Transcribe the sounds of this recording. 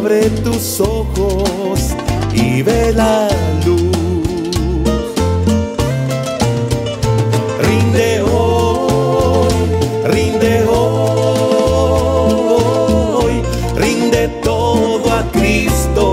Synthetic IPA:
βɾet̪usoxosiβeland̪u | rĩnd̪eo | j | rĩnd̪eo | ooj | rĩnd̪et̪o | ðoat̪ɾist̪o

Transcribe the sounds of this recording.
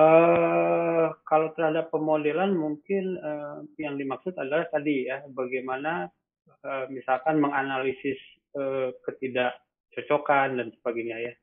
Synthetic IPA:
ə | kalawt̪ərhadapːəmodɛlanmuŋkɪnəjaŋdimaksʊt̪adalaht̪adijabaɡajmana | əmisalkanməŋanalisɪs | əːkət̪idaʔ | t͡ʃot͡ʃokandansə̥baɡaɲaja

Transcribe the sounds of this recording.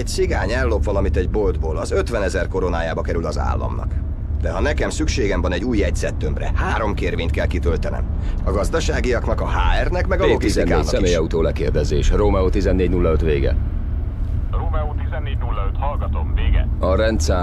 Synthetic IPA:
ɛcsiɡaːɲɛlːo̞pʋɒlɒmit̪ɛɟbo̞ld̪boːlɒzø̞t̪ʋɛnɛzɛrko̞ɾo̞naːjaːbɒkɛɾylɒza̰ːlːɒ̰mnɒ̰k | d̪̥ɛɦɒnɛkɛmsykʃeːɡɛmvɒnɛɟuːjɛɟzɛt̪ːømbrɛ̰haːɾo̞mkeːrveːɲt̪̚kɛlkit̪ølt̪ɛnɛ̰m | ɒɡɒzd̪ɒʃaːɡijɒknɒkɒɦaːɛrnɛkmɛɡɒloɡisinkaeːnɒmeːjɒut̪oːlɛkeːrd̪ɛzḛːʃroːmɛoːt̪izɛnːeːɟnulːɒøt̪ʋeːɡɛ̰ | roːmɛoːt̪izɛnːeːɟnulːɒøt̪hɒlɡɒt̪o̞mveːɡɛ̰ɒɾɛnt̪sɛ

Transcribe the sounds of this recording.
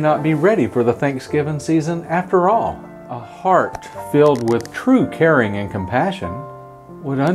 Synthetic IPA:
nət̚b̥iɹɛɾifə˞ðəθæ̃ŋksɡ̥ɪvɪ̃nsizə̃næftə˞ɔlˠ | ʔəhɑɹt | fɪlˠd̚wɪð̥tʰɹ̥ʉkʰɛɹɪ̃ŋɨ̃nkʰə̃mpʰæʃɨ̰̃n | wəɾʌ̃

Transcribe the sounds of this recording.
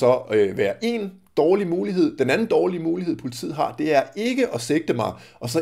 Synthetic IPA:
sɒ̽øʋæːɐʔe̝n | d̥ɒːlimuːliɦe̝ð̰ˠd̥enænn̩d̥ɒːlimuːliɦe̝ð̞̰ˠpʰo̝lit͡sʰḭð̰ˠɦɑ̈d̥e̝æɐe̝ɡ̥əʔɒ̽seɡ̥̚d̥əmɑ̈ɪ | ʔɒ̽sɒ̽

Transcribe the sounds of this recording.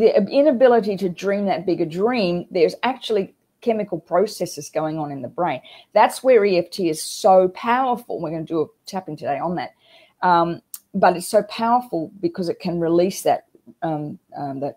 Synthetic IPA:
ðiɨɪ̃nɨbɪlˠəɾiɾɨdɹĩmðɨt̚b̥ɪɡə˞dɹĩmðə˞zæk̚t͡ʃul̩ˠi | kʰɛmɨkl̩ˠpʰɹ̥oʊsɛsɨzɡoʊɪ̃ŋə̃nɨ̃nðəbɹẽɪ̃nðætswə˞iɛftʰiɨz̥soʊpʰaʊə˞fl̩ˠwɨɹɡʌnɨdɨːtʰæpɪ̃ŋtʰɨdeɪə̃nðɨ̰t̚ | ʌ̃mbʌɾɨtsoʊpʰaʊə˞fl̩ˠbɨkʰʌzɨt̚kʰɨ̃nɹɨlisðɨ̰t̚ | ʌ̃ʌðɨt̚

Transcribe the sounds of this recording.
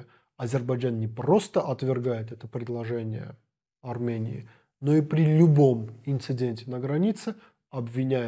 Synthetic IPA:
ɐzʲɪrbɐd͡ʒannʲɪpɾo̞st̪əʔɐt̪vʲɪrɡajɪt̪ɛt̪əpɾʲɪd̪lˠɐʐɛnʲɪ̰jə̰ | ɐrmʲenʲɪ̰ː | no̞ipɾʲɪlʲʊbo̞mɪnt̪sɨdʲenʲtʲɪnəɡɾɐnʲit̪sɨ | ɐbvʲɪnʲæɪ

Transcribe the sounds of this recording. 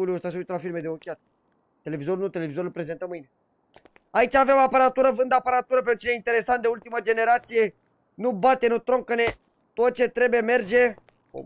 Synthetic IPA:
uluəst̪asəujt̪əlafiɾmed̪eokʲiat̪ | t̪ːe̞le̞vizo̞ɾunut̪e̞le̞vizo̞ɾulpɾe̞ze̞nt̪əmɨjne̞ | ait͡ʃaːvemapəɾat̪uɾəvɨnd̪apəɾat̪uɾəpenut͡ʃineint̪e̞ɾe̞sant̪d̪eult̪iməd͡ʒe̞ne̞ɾat̪sije̞ | nubat̪e̞nut̪ɾoŋkəne | t̪ot̪̚t͡ʃe̞t̪ɾe̞bujeme̞rd͡ʒe̞̰

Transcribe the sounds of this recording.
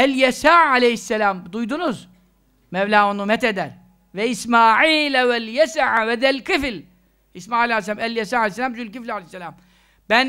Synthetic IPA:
æljɛsaːʕalejhɪsːælaːmd̪ujd̪unuz | mɛblaːunːumɛt̪ɛd̪æɾ | vɛɪsmaːʕiːlæwɛljɛsaʕawɛd̪ɛlkɪfl | ʔɪsmaːʕiːlʕalesːlaːmæljasaːʕalehsːelaːmzulkiflʕalehsːelaːm | b̥æn

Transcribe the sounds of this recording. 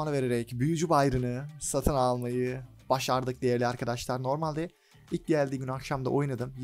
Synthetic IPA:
nˠɯve̞ɾe̞ɾɛcbyjyd͡ʒybajɾɯnɯsat̪ʰɯnalˠmajɯ | b̥aʃaɾd̪ɯk̚d̪e̞jɛɾlʲiaɾkʰad̪aʃlˠaɾno̞ɾmalʲd̪ɛ | ilʲc̚d̪ʲælʲd̪iːɟynyakʃamd̪a̰ʔo̞jnad̪ɯm

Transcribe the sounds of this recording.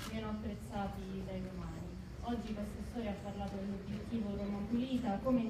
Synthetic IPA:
vijɛːnoapːɾet̪sːaːt̪id̪aimɛmaːni | ɔd͡ʒːikwest̪ost̪ɔːɾjaapːarlaːt̪od̪elobjet̪ːiːvokomampuliːt̪akome

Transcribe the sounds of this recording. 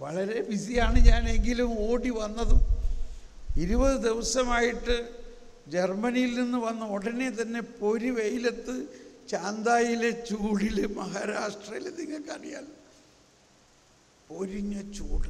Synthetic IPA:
ʋɐɭɐɾe̞bisijaːɳɨɲaːne̞ŋɡilumo̞ːɽiʋɐnːɐðɨ | iɾubɐðɨd̪iʋɐsɐmaːjiʈːɨ | d͡ʑe̞rmɐnijilninːuʋɐnːɐoɽɐne̞t̪̬ɐnːe̞po̞ɾiʋe̞jile̞t̪ːɨt͡ɕaːnd̪aːjile̞t͡ɕuːɽilɨmɐhaːɾaːʂʈrɐjilɐniŋːɐlkɐrija̰ːl | po̞ɾiɲːɐt͡ɕuːɽɨ

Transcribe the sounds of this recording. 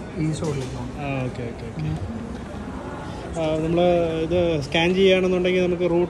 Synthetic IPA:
iːsoːʈikːaːɳaːo̞ːkːeoːkːeoːkkːe | nɐmːɐɭɨiðɨskaːnd͡ʑijaːɳenːuɳɖeŋɡilnɐmuk̬ːɨruːʈ

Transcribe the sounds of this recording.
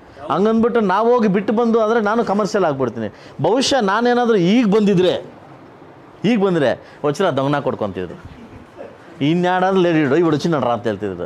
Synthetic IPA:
ɐŋɡɐnbiʈːunaːʋoːɡibiʈːbɐnd̪uɐnd̪ɾenaːnukɐmɐɾʃjɐlaːɡ̚biɽt̪iːnḭ | bɐʋiʃjɐnaːneːnaːd̪ɾuiːɡbɐnd̪id̪ɾe | iːɡbɐnd̪ɾḛ | ot͡ʃ̪ːɾad̪ɔŋɡnaːkɔɽkont̪ḭd̪ɾṵ | inːjaːɽaːd̪uleːɽiɽoiʋɐɽut͡ʃinːɐnɾaːt̪eːɭt̪id̪ɐɾṵ

